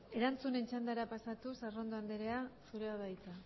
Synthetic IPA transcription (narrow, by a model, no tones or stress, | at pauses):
e̞ɾant͡sune̞nt͡ʃand̪aɾapasat̪usaro̞nd̪oand̪eɾe̞asuɾeaβajt͡s̪a